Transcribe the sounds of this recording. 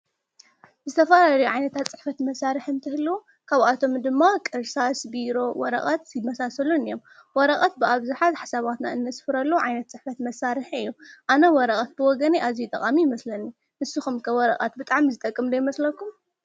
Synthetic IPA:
zɨt̪ʰɐfɐlaɾɐjuʕajnɐt̪ʰat̪t͡sʼɨ̥ħfɐt̪mɐsaɾɨħɨnt̪ʰɨhɨlːuwu | kʰaβat̪ʰo̞md̪ɨmːakʼɨɾsasbiɾo̞wɔ̰ɾɐ̰χʼat̪imɐsasɐlunɨjo̞m | wɔɾɐkʼat̪̚bɨaβzuħazħasaβat̪na̰ɨnːɐsfɨɾɐlːɐwuʕajnɐt̪̚t͡sʼɨħfɐt̪mɐsaɾɨħɨjːuʔanɐwɔɾɐkʼat̪̚bɨwɔɡɐneʔazijut̪ʼɐkʼamijɪmɐslɐnu | nɨsuxumkʰɐwɔɾɐqʼa̰t̪̚bɨt̪ʼaʕmizɨt̪ʼɐkʼːɨmd̪ɐjmɐslɐkʰːum

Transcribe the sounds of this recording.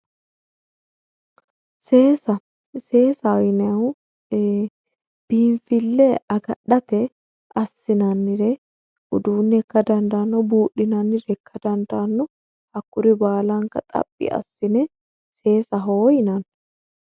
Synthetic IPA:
se̞ːsɐ | se̞ːsɐnɛw | b̥iːɱfɪlːɛɐɡɐɗɐt̪ɛ | ɐsːɪnɐnːɪɾɛ | ʔʊd̪uːnːɛkːɐd̪ɐnd̪ɐnːɔbuːɗɪnɐnːɪɾɛkːɐd̪ɐnd̪anːɔ | ɐkːʊɾɪbaːlɐŋkɐ̰t̪ʼɐ̰pʼːɪ̰ʔɐ̰sːɪnɛ | se̞ːsɐɦoːjɪnɐn

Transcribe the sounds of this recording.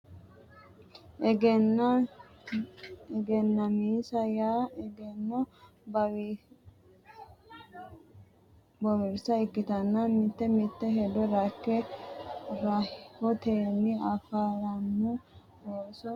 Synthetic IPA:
ʔɛɡɛn | ɛɡɛnːɐmiːsɐjaːɛɡɛnːɔ | bɐw | bɔwɪɾsɐɪkːɪt̪ɐnːɐmɪt̪ːɛmɪt̪ːɛɦɛd̪ɔɾɐkːɛ | ɾɐhɔt̪eːnːɪɐfaːɾɐnːʊ | hoːsɔ

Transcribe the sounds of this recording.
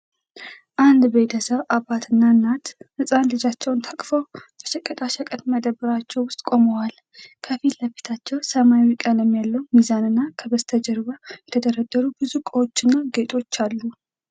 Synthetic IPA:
ʔand̪be̞t̪ʰəsəβʔabat̪ʰɨnːaɨnːat̪hɨsʼanlɨd͡ʒat͡ʃːɛwnt̪ʰəkʼfəwbəʃɛkʼət̪ʼaʃəkʼət̪məd̪əbəɾat͡ʃːɛwwʊst̪ʼkʼo̞məwal | kʰəfiəfet̪ʰat͡ʃːɛwsəmawikʼələmːijalːəwmizanɨnːakʰəbəst̪ʰəd͡ʒəɾβəjɛt̪ʰəd̪əɾəd̪ːəɾubɨzukʼəwo̞t͡ʃːɨnːaɡe̞t̪ʼo̞t͡ʃːalːu

